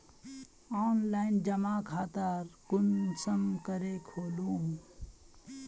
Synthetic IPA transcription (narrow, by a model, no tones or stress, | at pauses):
ɔːnlaːɪnd͡ʒəmaːkʰaːt̪aɾkʊnsəmkəɾekʰoːluːm